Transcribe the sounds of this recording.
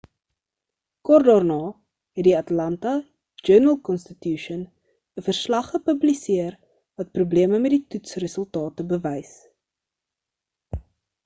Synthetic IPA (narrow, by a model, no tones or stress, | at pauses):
kɔrdɑːrnɑː | ɦɛtdiɐtlɐntɐ | d͡ʒønəlˠkɔnstətjuʃən | əfərslɐχːəpəblisiər | vɐt̚prubliəməmɛt̚ditutsrəsəlˠtɑːtəbəvɛjs